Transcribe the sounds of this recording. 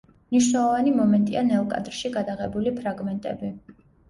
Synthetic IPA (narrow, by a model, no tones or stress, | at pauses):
mniʃwnɛlˠɔvanimɔmɛnt̪ʼianɛlˠkʼa̰d̪ɾʃiɡad̪aʁɛbulipʰɾaɡmɛnt̪ʼɛ̰bi